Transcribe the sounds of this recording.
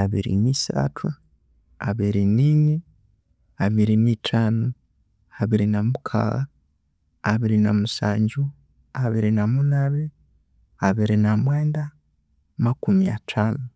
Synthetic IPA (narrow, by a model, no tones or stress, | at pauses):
aβḭɾḭniːsa̰tʰu | a̰βiɾinini | aβiɾinitʰaːnu | aβiɾinamukʰa̰ɣa | aβiɾinamusa̰ːɲɟu | aβiɾinamunaβe | aβiɾinamwe̞ːnda | makumia̰tʰaːnu